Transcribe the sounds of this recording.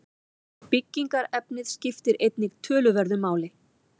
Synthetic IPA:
pɪcːiŋkaɾɛpnɪðscɪft̪ɪɾʔejt̪nɪɣt̪ʰœːlʏvɛɾðʏmaːwlɪ

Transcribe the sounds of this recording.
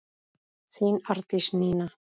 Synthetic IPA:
θinaɾt̪isniːna

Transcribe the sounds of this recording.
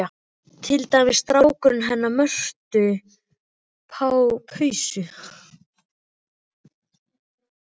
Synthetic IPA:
t̪ʰɪlt̪amɪðst̪ɾaːwkʏɾʏnɦɛnːamœr̥t̪ʏ | pʰawpʰœɥsʏ

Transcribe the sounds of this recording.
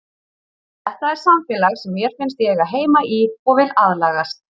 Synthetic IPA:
ɛht̪aɛɾ̥samfɛːlaɣsɛmjɛɾ̥fɪnst̪jɛɣaðɦeːjmaʔiɔɣvɪlaðlaːɣast̪̚

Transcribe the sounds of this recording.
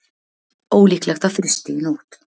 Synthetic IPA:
ɔwliːklɛɣt̪ʰafɾʏst̪ɪɪnuːt̪

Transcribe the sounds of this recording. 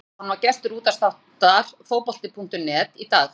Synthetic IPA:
anvaɾcɛst̪ʏɾuːt̪ast̪awht̪aɾ̥foːwpɔl̥t̪ɪpʰuŋ̥t̪ʏnɛːt̪it̪aːx

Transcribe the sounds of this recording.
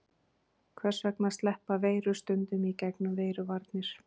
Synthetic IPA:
kʰvɛr̥svɛknast̪lɛhpaveːjɾʏst̪ʏnt̪ʏmicɛknʏmveːjɾʏvaɾt̪nɪɾ̥

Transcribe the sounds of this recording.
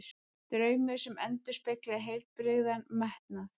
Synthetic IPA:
t̪ɾœːɥmɪsɛmɛnt̪ʏ̥speklaðɦejl̥t̪̚pɾɪɣðanmaht̪naθ

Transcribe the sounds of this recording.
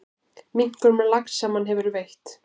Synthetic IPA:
miŋ̥kœɾmɛlaksamanɦɛvʏɾvejht̪

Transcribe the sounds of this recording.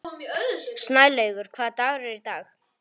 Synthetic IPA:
snajlejɣʏɾ̥kʰvaːðt̪aːɣɾɛɾit̪aːx

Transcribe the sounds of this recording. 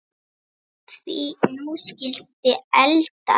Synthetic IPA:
t̪ʰviːnuːscɪl̥t̪ɪɛlt̪a̰

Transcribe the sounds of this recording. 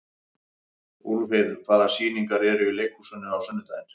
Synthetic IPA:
uɾveðkʰvaːðasiːniŋkaɾɛɾʏɪlejkʰusœnːʏawsœnːʏt̪aːjðɪn

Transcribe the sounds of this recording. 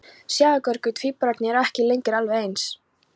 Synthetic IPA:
sjaːɣakœɾkʏt̪ʰviːpɾaɾt̪nɪɛɾɛhcɪlejŋkɪɾalvɪejns

